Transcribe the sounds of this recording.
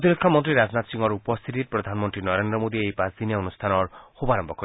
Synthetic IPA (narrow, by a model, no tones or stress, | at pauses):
t̪iɾekʰːɔmɔnt̪ɾiɾad͡ʒnat̪siŋɔɾupɔst̪ʰit̪itpɾɔd̪ʱanmɔnt̪ɾinɔɾend̪ɾɔmod̪iejpasd̪ʱinijaonust̪ʰanɔɾxubaɾɔmbʱɔkɔɾ